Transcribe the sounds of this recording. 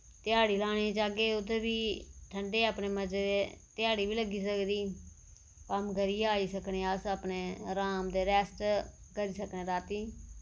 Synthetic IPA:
t̪ɪjaːɽiːlaːɽ̃eːd͡ʒaːɡeːʊt̪eːʋiːʈʰəɳɖeːaːpneːməd͡ʒeːd̪eːt̪ɪjaːɽiːʋiːləɡiːsəkd̪iː | kəmɡəɾiːaːiːsəkneːəsəpneːɾaːmd̪eːɾɛːsʈkəɾiːsəknẽːɾaːt̪iː

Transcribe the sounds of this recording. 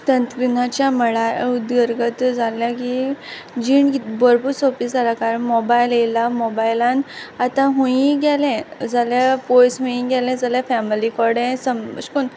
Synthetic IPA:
t̪ənt̪kɾinat͡ɕjaməɭaud̪ɡəɾɡət̪d͡zʱaljaki | d͡ʑiɳkibəɾpuɾsofisaɾakaɾəɳmɔbajlelamɔbajlãnat̪ãɦũĩɡɛlɛ̃d͡zaljapojsɦũĩɡɛlɛ̃d͡zaljafɛmilikɔɾɽɛ̃səmə̰ɕkuːn

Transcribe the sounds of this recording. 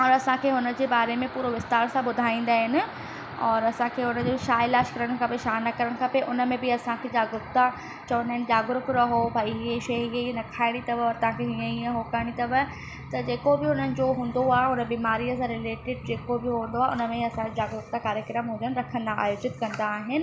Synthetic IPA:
ɔːɾɐsãkʰeːɦʊnə̆d͡ʑeːbaːɾemẽpuːɾoʋɪst̪aːɾsãbʊd̪ʱaːĩːn̆d̪aːɦɪnɪ̆ | ɔːɾɐsãkʰeːɦʊnə̆d͡ʑoʃaːjlaːʃkɐɾəɽ̃̆kʰɐpeʃaːnɐkɐɾəɽ̃kʰɐpeʔʊnəmẽbɪɐsãkʰed͡ʑaːɡɾʊkt̪a | t͡ɕɐʋə̃nd̪aɦɪnɪ̆d͡ʑaːɡɾʊkɾɐɦobʱaːiɦieʃɐɦɦenɐkʰaːɪɽ̃it̪ɐʋəɔːɾt̪ɐʋ̤ɦãkʰeɦiə̃iə̃ɦokaːɪɽ̃it̪ɐʋə | t̪ɐd͡ʑeːkobɪʊn̤ənɪ̆d͡ʑoɦũːnd̪oaːɦʊnəbiːmaːɾijəsãɾɪleːʈɪɖ̚d͡ʑeːkobɪɦũːnd̪oaːeʊnə̆mẽɐsãkʰed͡ʑaːɡɾʊk̚t̪akaːɾjəkɾəmɦũːnd̪ənɪ̆ɾɐkʰə̃nd̪aa̰ːjoːd͡ʑɪt̪kɐ̃nd̪aːɦɪnɪ̆

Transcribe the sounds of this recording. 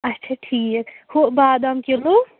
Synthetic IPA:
ɐtːʃʰaʈʰiːkhobaːd̪əmkelo

